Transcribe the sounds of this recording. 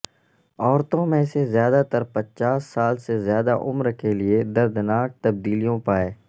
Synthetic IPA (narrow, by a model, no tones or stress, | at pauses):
ɔːɾt̪õmẽsezjaːd̪at̪əɾpət͡ʃaːsːaːlsezjaːd̪aʔʊmɾkʰelɪed̪ɐɾd̪naːk̚t̪ɐb̚d̪iːlijõpaːeː